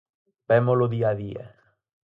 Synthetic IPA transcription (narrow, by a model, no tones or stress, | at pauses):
bɛmoloðiaðiḛ